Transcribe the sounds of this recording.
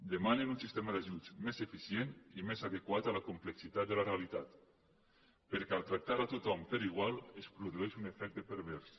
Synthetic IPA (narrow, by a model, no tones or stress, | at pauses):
d̪emanenunsist̪emaðaʒut͡ʃmezefisjenimezaðekwat̪alakumpleksit̪at̪̚d̪elarealit̪at̪ | pəɾkɛalˠt̪ɾak̚t̪aɾat̪ut̪ɔmpeɾiɣwalespɾuðueʃunefɛk̚t̪epəɾβɛɾs